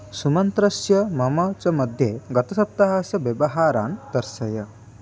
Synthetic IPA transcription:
sumɐnt̪ɾɐsjɐmɐmɐt͡ʃɐmɐd̪ʱjeɡɐt̪ɐsɐp̚t̪ɐɦaːsjɐʋjɐbɐɦaːɾaːnt̪ɐɾsɐjɐ

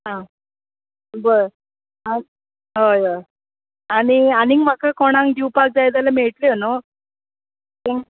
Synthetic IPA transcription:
ɦã | bəɾ | a | ɦəjə | aɽ̃ianiŋɡm̤akʰakɔɽ̃ãŋd̪iwpak̚d͡zajd̪alameɭʈljeno | t̪eŋ

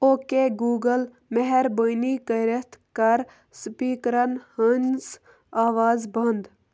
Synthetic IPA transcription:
oːkeɡuːɡəl | meɦɛɾbəniːkəɾet̪ʰkɐɾ | spiːkɾɐnhɐns | aːʋaːzbɐnd̪

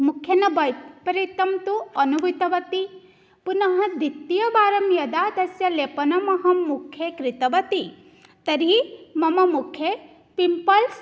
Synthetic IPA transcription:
mukʰjɐnɐbɐjpɐɾit̪ɐmt̪uɐnuʋit̪ɐʋɐt̪i | punɐɦɐ̆d̪it̪ːijɐbaːɾɐmjɐd̪aːd̪ɐsjɐleːpɐnɐmɐɦɐmːukʰːjekɾit̪ɐʋɐt̪i | t̪ɐɾimɐmɐmukʰje | pimpɐls

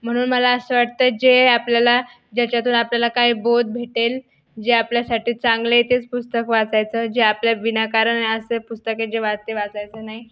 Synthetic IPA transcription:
m̤əɽ̃uːnməlaəsəːʋaʈ̚t̪əːd͡ʑeapljala | d͡ʑjat͡ɕat̪uːnapljalakaɦiːbod̪̚bʱeʈel | d͡ʑeapljasaʈiːt͡sãŋɡlet̪et͡spust̪əkʋat͡sajt͡səːd͡ʑeapljaʋinakaɾənaiəsəpust̪əked͡ʑeʋaɾt̪eʋat͡sajt͡səːnaɦi

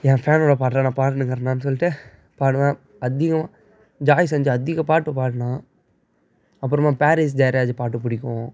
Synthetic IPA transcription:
ɛ̃ːfaːnoːɽɐpaːʈːɾãnãːpaːʈːɐnɯŋɡɐɾɐnaːnɯs̬ɔlːɪʈːɯ | paːɽɯmãː | ɐd̪ɪɣɐm | d͡ʒaːjs̬ɛɲd͡ʒɐɐd̪ɪɣɐ̃paːʈːɯpaːʈːɐnãː | ɐpːɯɾɐmaːpaːɾis̬d͡ʒɐjɾjaːd͡ʒɯpaːʈːɯp̬ʊɽɪkːõː

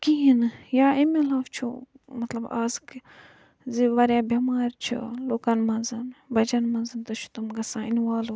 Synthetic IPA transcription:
kiinjaːimilaːft͡ʃʰṵ | mɐt̪lɐbaːzk | ziʋɐɾjaːbɐmaːɾt͡ʃʰṵloːkanmɐnzɨnbɐt͡ʃɐnmɐnzɨnt̪ɐt͡ʃʰu̥t̪umɡɐsãːinʋaːl

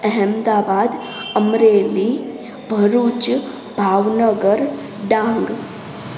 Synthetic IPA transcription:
əɦɛmd̪abad̪ | əmɾeli | bʱəɾut͡ʃ | bʱaːʋnəɡəɾ | ɖãŋɡ

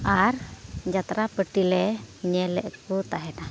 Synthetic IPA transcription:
aɾd͡ʒat̪ɾapəʈilɛɲɛlɛ̰ʔkut̪aɦɛna

